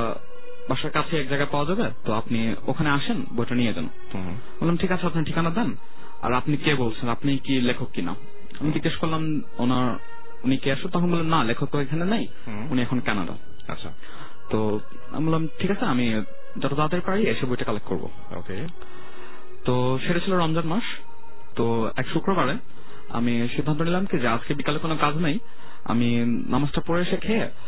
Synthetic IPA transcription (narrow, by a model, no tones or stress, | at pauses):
baʃaɾkat͡ɕʰeɛk̚d͡ʑaɡapaoad͡ʑabet̪oapni | o̰kʰaneaʃenbojʈanied͡ʑa̰no̰ | molomʈʰikat͡ɕʰeapnaʈʰikanad̪ɛn | a̰ɾapnikebolt͡ɕʰenapnikilekʰokːina̰ | amid͡ʑiɡeʃkolam | onaɾ | unikeaʃunt̪ɔkʰonbolːenːalekʰok̚ːoekʰanenaj | uniɛkʰonkɛnaɖa̰ | a̰ɕʰ | t̪o | a̰mbolːamʈʰikat͡ɕʰeami | d͡ʑɔʈad̪ad̪eɾpaɽieʃebujʈakalekkːo̰ɾbo̰ | o̰ke | t̪o | ʃeʈat͡ɕʰiloɾɔmd͡ʑanmaʃ | t̪o | ɛ̰kʃukɾobaɾe | a̰miʃid̪ʱːant̪onilamkid͡ʑead͡ʑkebikalekonokad͡ʑnaj | a̰mi | nʔamad͡ʑʈapoɾeʃekʰe